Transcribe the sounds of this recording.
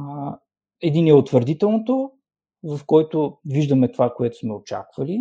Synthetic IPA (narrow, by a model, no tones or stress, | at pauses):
ɛd̪inɛot̪vəɾd̪it̪ɛlˠnot̪o | vɐfkɔjt̪oviʒd̪əmɛt̪ovakoɛt̪ʊ̥smɛot͡ʃa̰kvɐli